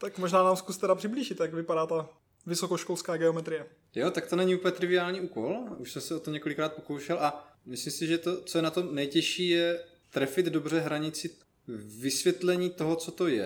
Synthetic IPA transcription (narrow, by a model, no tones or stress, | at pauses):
t̪akmoʒnaːnaːmskust̪ɛɾapr̥ɪbliːʒɪt̪jakvɪpaɾaːt̪a | vɪsokoʃkolskaːɡɛomɛt̪ɾɪjɛ | jot̪ak̚t̪o̞nɛɲiʔuːpəɲɛt̪ɾɪvɪaːlɲiːʔuːko̞luʃsɛmsɛot̪omɲɛko̞lɪkɾaːt̪̚poko̞wʃɛlʔamɪslimsɪʒɛt̪o̞t͡sojɛnat̪o̞mnɛjcɛʃiːjɛ | t̪ɾɛfɪd̪dobr̝ɛɦɾaɲɪt͡sɪ | vɪsvjɛt̪lɛɲiːt̪o̞ɦot͡so̞t̪o̞jɛ̰